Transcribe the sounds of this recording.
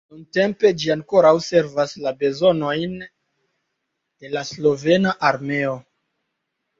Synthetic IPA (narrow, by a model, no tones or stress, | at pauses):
nunte̞mpe̞d͡ʒiaŋko̞ɾawse̞ɾvaslabe̞zo̞no̞jn | de̞laslo̞ve̞naʔaɾme̞o̞